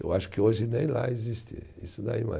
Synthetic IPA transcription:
ḛwaʃʊ̥kɪoʒɪnẽj̃la̰ezist̪ɪ̰isʊd̪aima̰

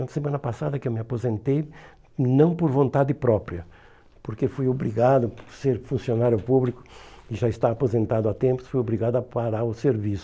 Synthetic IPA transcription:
ɐ̃t̪semɐ̃nɐpasad̪ɐkɪewmɪapozẽnt̪ej | nɐ̃w̃poɾvõnt̪ad̪ɪpɾɔpɾiɐ | poɾkefujobɾiɡad̪ʊpɾseɾfũsjonaɾjʊpublikʊ̥ɪʒaɪst̪avapozẽnt̪ad̪ʊat̪ẽmpʊ̥sfujobɾiɣad̪ɐɐpaɾaɾʊseɾvisʊ̥

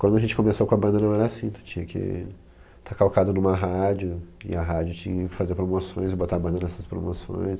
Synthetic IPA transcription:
kwɐ̃nd̪ʊɐʒẽnt͡ʃɪkõmesowkõɐbɐ̃nd̪ɐnɐ̃w̃ɛɾasĩt̪u̥t͡ʃĩɲɐkʰɪ̰ | t̪ʰakawkad̪ʊnũmɐɦad͡ʒʊɪ̰ɐɦad͡ʒʊt͡ʃĩɲɐkɪ̥fazeɾpɾomosõj̃zɪbot̪abɐ̃nd̪ɐnɛsɐspɾo̰mosõ̰j̃s

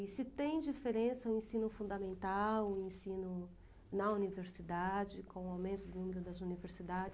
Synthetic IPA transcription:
sɪt̪ẽj̃d͡ʒifeɾẽsɐũẽsĩnʊfũd̪ɐmẽnt̪awũẽsĩnʊ | nɐuniveɾsid̪ad͡ʒɪkõʊawmẽnt̪ʊd̪ʊnũmeɾʊd̪ɐzuniveɾsid̪ad͡ʒɪ

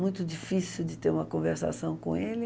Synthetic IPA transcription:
mũj̃t̪ʊd͡ʒifisiwd͡ʒɪt̪eɾũmɐkõveɾsa̰sɐ̃w̃kõ̰elɪ

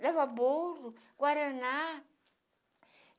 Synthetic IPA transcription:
laβaboru | kwaɾɛna

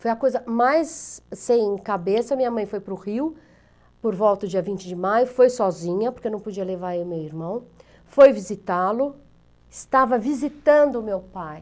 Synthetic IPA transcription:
fojɐkojzɐmajsːẽj̃kabesɐmĩɲɐmɐ̃j̃fojpɾʊʁiw | poɾvɔwt̪ɐʊd͡ʒiɐvĩnt͡ʃɪd͡ʒɪmajʊfojsɔzĩɲɐpoɾkenɐ̃w̃pod͡ʒiɐlevaɾemewiɾmɐ̃w̃ | fojvizit̪alʊ | ɪst̪avɐvizit̪ɐ̃nd̪ʊːmewpaj

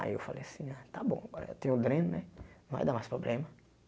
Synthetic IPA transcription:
a̰iḛwfalejasĩãt̪abõ̰aɡɔɾɐ̰t̪ẽj̃ũd̪ɾẽnʊnɛnɐ̃va̰jd̪aɾmajspɾoblẽmɐ

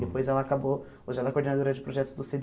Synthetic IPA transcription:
d̪epojzɛlɐːkabo | oʒɪɛlɐkoɾd̪enad̪oɾɐd͡ʒɪpɾoʒɛt̪ʊzd̪ʊsed̪

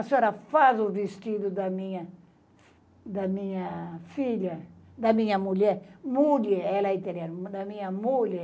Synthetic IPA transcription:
ɐseoɾɐfazʊvist̪id̪ʊd̪ɐmĩɲɐ | d̪ɐmĩɲɐfiʎɐ | d̪ɐmĩɲɐmuʎɛɾmuleɛlɐit̪eɾiaɾd̪ɐmĩɲɐmule

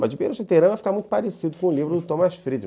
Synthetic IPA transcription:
mɐzd͡ʒɪbḛjɾʊsit̪eɾɐ̃vajfi̥kaɾmũjt̪ʊpaɾesid̪ʊkõlivɾʊd̪ʊt̪õmɐsfɾid͡ʒi

